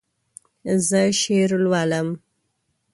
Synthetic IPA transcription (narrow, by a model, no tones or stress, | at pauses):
zəʃeɾlwɑləm